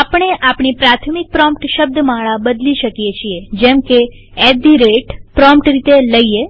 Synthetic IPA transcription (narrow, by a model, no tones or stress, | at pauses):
apəɳ̃eʔapɳ̃ipɾat̪ʰmik̚pɾɔmpʈʃəb̚d̪ʱəmaɭabəd̪liʃəkjet͡ʃʰied͡ʒɛmke | ɛd̪iɾeʈpɾɔmpʈɾit̪eləie